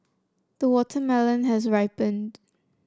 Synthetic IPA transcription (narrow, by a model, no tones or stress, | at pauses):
ðəwɔtʰəmɛlə̃nɦəzɹaɪpə̃nd